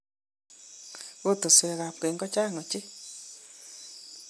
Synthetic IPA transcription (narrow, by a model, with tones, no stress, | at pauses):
ɣo˦t̪o˨swɛ˨ɣa˨p̚ke˨˦ŋɡɔ˦t͡ʃa˦˨ŋɔ˨t͡ʃe˦